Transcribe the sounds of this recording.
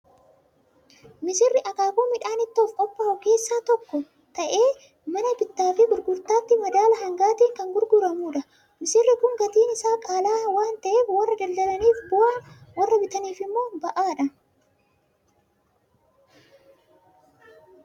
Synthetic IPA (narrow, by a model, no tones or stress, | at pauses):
mɪsɪrːɪʔɐkaːkoːmɪᶑaːnɪt̪ːoːfkʼɔpʼːɐhɔke̞ːsːaːt̪ɔkːɔ | t̪ɐʔeː | mɐnɐbɪt̪ːaːfɪɡʊɾɡʊɾt̪aːt̪ːɪmɐd̪aːlɐɦɐŋɡaːt̪iːŋkɐŋɡʊɾɡʊɾɐmuːᶑɐ | mɪsɪrːɪkʊŋɡɐt̪iːnɪsaːkʼaːlaːwaːnt̪ɐʔeːfwɐrːɐd̪ɐld̪ɐlɐniːfbɔaːnwrːɐbɪt̪ɐniːfɪmːo̞ːbɐʔaːᶑɐ